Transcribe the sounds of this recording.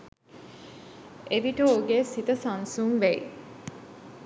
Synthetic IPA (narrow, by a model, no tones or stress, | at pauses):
eʋiʈəoɡesit̪əsɐnsuŋʋeḭ